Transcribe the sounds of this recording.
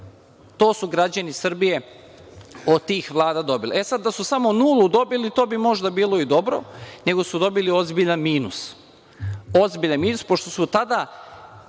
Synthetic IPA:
t̪o̞ːsuɡɾad͡ʑanisrbije̞ | ot̪iːxʋlˠaːd̪ad̪o̞bilḛesad̪̚ːasusamo̞nuːlˠud̪o̞bilit̪o̞ːbimo̞ʒd̪abiːlˠo̞id̪o̞bɾo̞̰ne̞ɡo̞sud̪o̞bilio̞zbiʎanmiːnus | ozbiʎanmiːnuspo̞ʃt̪o̞sut̪ad̪a

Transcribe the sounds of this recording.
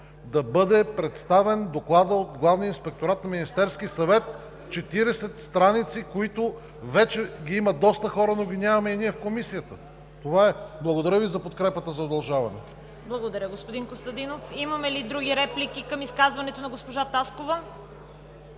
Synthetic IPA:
d̪ɐbɤd̪ɛpɾɛt̪st̪avɛnd̪oklˠad̪əot̪ɡlˠavnijəinspɛk̚t̪oɾat̪nɐminist̪ɛɾsk̟isɐvɛt̪ | t͡ʃɛt̪iɾɛsɛt̪st̪ɾanit̪sikoit̪o | vɛt͡ʃɛɡʲiiməd̪ɔst̪əxɔɾənoɡʲinʲavɐmɛiniɛfkomisijət̪ə | t̪ovaɛblˠɐɡod̪ɐɾʲjəvizɐpot̪̚kɾɛpət̪əzɐod̪ɐlˠʒavɐnɛ | blˠɐɡod̪ɐɾʲəɡospod̪inkost̪ɐd̪inofimɐmɛlid̪ɾuɡiɾɛplikʲikəmiskazvɐnɛt̪onɐɡospoʒat̪askovɐ

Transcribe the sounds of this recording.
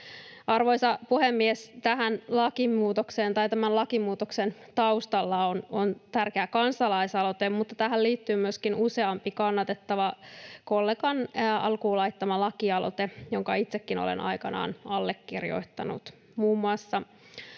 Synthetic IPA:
ɑrʋo̞jsɑpuhemːiest̪æɦænlɑkimuːt̪okseːnt̪ɑjt̪æmænlɑkimuːt̪oksent̪ɑust̪ɑlːɑonont̪ærkeækɑnsɑlɑisɑlo̞t̪emmut̪ːɑt̪æɦælliːt̪ːyːmyøskinuse̞ɑmpikɑnːɑt̪et̪ːɑʋɑkolːeɡɑnɑ̰lkuːlɑjt̪ːɑmɑlɑkiɑlo̞̰t̪ejoŋkɑit̪sekːino̰lḛnʔɑ̰jkɑnɑ̰ːnɑlːekːirjo̰it̪ːɑ̰nṵt̪ | muːmːuɑsːɑ

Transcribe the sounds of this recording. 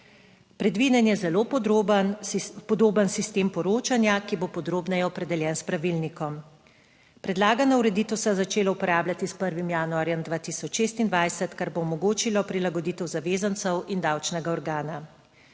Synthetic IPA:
pɾɛd̪ʋid̪ɛnjɛzɛloː | pɔd̪oːbənsist̪eːmpɔɾoːt͡ʃanjakibopɔd̪ɾoːbnɛjɛɔpɾɛd̪ɛljɛːnspɾaʋilnikɔm | pɾɛd̪laːɡanauɾɛd̪iːt̪ɔwsɛjzat͡ʃeːlɔupɔɾaːblʲjat̪ispəɾʋimjaːnuaːɾjɛmd̪ʋaːt̪isɔt͡ʃʃeːst̪ind̪ʋajsɛt̪kaɾboːmɔɡoːt͡ʃilɔpɾilaɡɔd̪iːt̪ɛwzaʋeːzant̪sɛwind̪awt͡ʃnɛɡaɔɾɡaːna

